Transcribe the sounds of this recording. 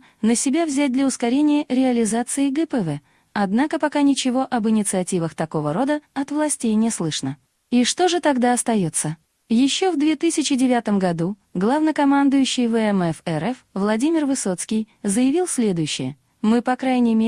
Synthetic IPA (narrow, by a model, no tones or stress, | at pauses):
nəsʲɪbʲavzʲæt̚ʲd̪lʲəʊskɐɾʲenʲɪjəɾʲɪɐlʲɪzat̪sɨɪɡɛpɛvɛ | ɐd̪nakəpɐkanʲɪt͡ɕɪvo̞ʔɐbɨnʲɪt̪sɨɐtʲivəxt̪ɐko̞vəɾo̞d̪əɐt̪vlˠɐsʲtʲejnʲɪslˠɨʂnə | iʂt̪o̞ʐɨt̪ɐɡd̪aɐst̪ɐjo̞t̪sːə | jɪɕːo̞vd̪vʲe̞t̪ɨsʲɪt͡ɕɪdʲɪvʲat̪əmɡɐd̪uɡlˠavnəkɐmand̪ʊjʉɕːɪjvɛɛmɛfɛɾɛfvlˠɐdʲimʲɪrvɨso̞t̪skʲɪjzəjɪvʲilˠsʲlʲe̞d̪ʊjʉɕːɪ̰jə | mɨpɐkɾajnʲɪjmʲe